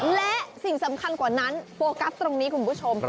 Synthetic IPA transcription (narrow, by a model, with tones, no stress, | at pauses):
lɛ˦˥ʔsi˨˩ŋsa˩˦mkʰa˧nkwaː˨˩na˦˥npoː˧ka˦˥p̚t̪ɾo˧ŋniː˦˥kʰu˧npʰu˦˥t͡ɕʰo˧m